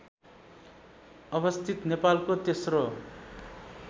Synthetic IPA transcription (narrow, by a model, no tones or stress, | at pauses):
ʌβʌst̪ʰit̪nepalkot̪esro